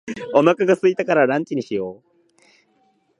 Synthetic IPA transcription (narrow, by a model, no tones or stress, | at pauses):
omakaɡasɨit̪akaɾaɾãɲ̟t͡ɕiɲ̟iɕijoː